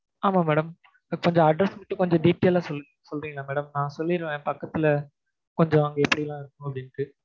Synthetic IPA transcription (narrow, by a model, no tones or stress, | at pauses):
aːmaːmɛːɽɐm | kɔɲd͡ʒɔ̃ɐɖɾɐsmɪʈːɯkɔɲd͡ʒɔ̃ɖiːʈːeːlaːsɔlːɯɾisɔlːrɾĩːɡɐlaːmɛːɽɐmnãːsɔlːɪɾɯʋẽːpɐkːɐt̪ːɪlɐ | kɔɲd͡ʒɔ̃ɐŋɡɐɛpːɐɽilãːɪɾɯkːʊ̃ɐpɐɽɪnʈɯ